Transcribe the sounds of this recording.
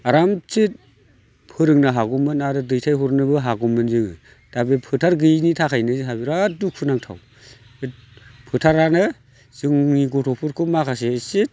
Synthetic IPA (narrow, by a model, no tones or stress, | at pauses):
aɾamt͡ʃit̚ | pʰɯɾɯŋnaɦaɡumɯnaɾɯdɯjtʰajɦuɾnɯbɯɦaɡɔmɯnzɯŋɯ | d̥abepʰɯtʰaɾɡɯjnitʰakʰajnɯziɦabiɾaduk̚ʰɯnaŋtʰa̰w | et̚pʰɯtʰaɾanɯ | z̥ɯŋniɡɔtʰɔpʰuɾkʰumakʰasesit̚